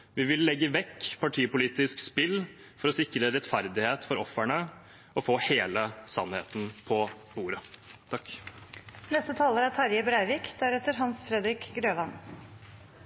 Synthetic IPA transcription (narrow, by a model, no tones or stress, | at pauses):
ʋɪʋɪlːɛɡːəʋɛkːpʰɑʈʰiːpʊliːt̪ɪskspɪl | fɔɾɔsɪkɾəɾɛt̪fæɾd̪ɪheːt̪fɔɾɔfːæɳə | ɔfoːheːləsɑnːhḛːt̪n̩pʰɔ | buːɾət̪ʰɑk | nɛst̪ət̪ʰɑːləɾæt̪ʰæɾjəbɾæɪʋɪːkd̪æɾɛt̪ːəɾɦɑnsfɾɛd̪ɾɪkɡɾøːʋɑn